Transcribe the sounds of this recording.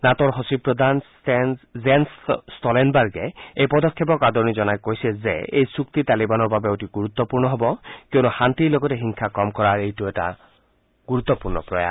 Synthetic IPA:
nat̪ɔɾɦosipɾɔd̪ʱan | zensstɔlenbaɾɡeejpɔd̪ɔkʰːep̬ɔkad̪ɔnizɔnajkojsezḛejsukt̪it̪alibanɔɹbabeotiɡuɾut̪ːɔpuɹnɔɦɔbɔkewnuhant̪iloɡɔteɦiŋkʰakɔmkɔɾaɹejtuɛʈa̰ | ɡ̥uɾut̪ːɔpuɹnɔ̰pɾɔja̰

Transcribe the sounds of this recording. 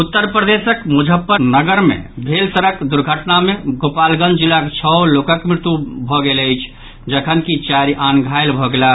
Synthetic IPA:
ut̪ːəɾpɾəd̪esəkmud͡ʒʱəpːənəɡəɾmḛbʱelsəɾəkd̪uɾɡʱəʈnameɡopalɡə̃nd͡ʒ̪d͡ʒilːaket͡ʃʰɔlokəkmɾɪt̪ubʱɔɡeləjt͡ʃʰ | d͡ʒəkʰənkit͡ʃaɾiʔanɡʱaelbʱɔɡela

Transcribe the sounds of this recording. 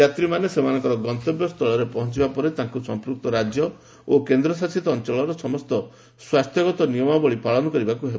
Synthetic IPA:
at̪ɾimanesemanɔ̃ŋkɔɾɔɡɔnt̪ɔbjɔst̪ʰɔɭɔɾepɔɦɔ̃nt͡ʃibapɔɾet̪ãŋkusɔmpɾuk̚t̪ɔɾad͡ʒjɔ | okend̪ɾɔs̬asit̪ɔːnt͡ʃɔɭɔɾɔsɔmɔst̪ɔ | swast̪ʰjɔɡɔt̪ɔnijɔmɔbɔɭipaɭɔnɔkɔɾibakuɦeb

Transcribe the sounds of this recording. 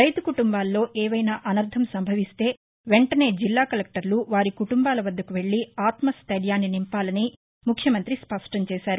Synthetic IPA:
ɾɐjt̪ukuʈumbaːlːo̞ːʔɛːʋɐjnaːʔɐnɐɾd̪ʱɐmsɐmbʱɐʋist̪e̞ː | ʋe̞ɳʈɐne̞ːd͡ʒilːaːkɐlek̚ʈɐɾluʋaːɾikuʈumbaːlɐʋɐd̪ːɐkuʋe̞ɭːiaːt̪mɐst̪ɐɾjaːnːinimpaːlɐni | mukʰjɐmɐnt̪ɾispɐʂʈɐɲt͡ʃɛːʃaːɾu

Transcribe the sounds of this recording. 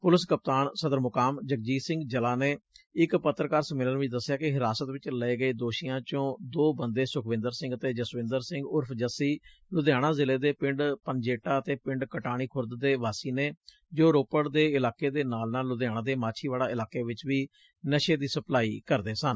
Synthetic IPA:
pʊləskəp̚t̪aːɳsəd̪əɾmʊkaːmd͡ʒək̚d͡ʒiːsɪ̃ŋɡd͡ʒəlaːneːɪkpət̪ːɾəkaːɾsəmɪlənːʋɪt͡ʃd̪əsːjaːkɪɦɪɾaːsət̪ʋɪt͡ʃləeːɡəeːd̪oːʃijãːt͡ʃõːd̪oːbənd̪eːsʊkʰʋɪ̃nd̪əɾsɪ̃ŋɡət̪eːd͡ʒəsʋɪ̃nd̪əɾsɪ̃ŋɡʊɾpʰd͡ʒəsiː | lʊd̪jaːɽãːzɪleːd̪eːpɪɳɖpənd͡ʒeːʈaːət̪eːpɪ̃ɳɖkəʈaːɽ̃iːkʰʊɾd̪d̪eːʋaːsiːneː | d͡ʒoːɾoːpəɽd̪eːɪlaːkeːd̪eːnaːlnaːlːʊd̪jaːɽ̃ãːd̪eːmaːt͡ʃʰiːʋaːlaːɪlaːkeːʋɪt͡ʃʋiː | nəʃeːd̪iːsəplaːḭːkəɾd̪eːsən

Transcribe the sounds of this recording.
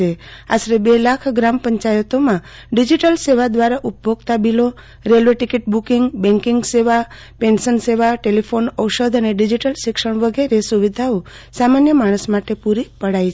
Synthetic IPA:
ea̰sɾebelakʰɡɾampəɲt͡ʃajət̪omã | ɖid͡ʒiʈəlseʋad̪ʋaɾaʔupboɡt̪abilo | ɾelʋeʈikiʈbukiŋɡbɛ̃ŋkiŋɡseʋa | pẽnsənseʋaʈelipʰonəwʃəd̪ʱəneɖid͡ʒiʈəlʃɪkʃəɳ̃ʋəɡeɾesuʋid̪ʱao | samanjəmaɽ̃əsmaʈepuɾipəɽajʰ

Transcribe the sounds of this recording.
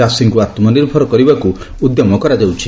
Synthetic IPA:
asiŋkuat̪mɔniɾbʱɔɾɔkɔɾibaku | ud̪jɔmɔkɔɾad͡ʒawt͡ʃʰi̥

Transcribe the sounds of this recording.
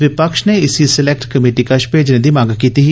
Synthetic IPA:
ʋɪpəkʃneːɪsisɪlɛk̚ʈkəmeːʈiːkəʃpeːd͡ʒnẽːd̪iːmaːɡkiːt̪iɦ

